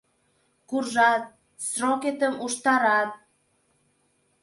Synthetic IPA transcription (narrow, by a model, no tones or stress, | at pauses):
kurʒɑt̪̚ | sroket̪əmuʃt̪ɑɾɑt̪̚